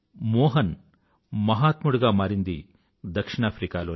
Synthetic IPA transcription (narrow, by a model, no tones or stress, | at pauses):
mɔːɦɐn | mɐɦaːt̪muɽuɡaːmaːɾind̪i | d̪ɐkʂiɳaːpʰɾikaːloː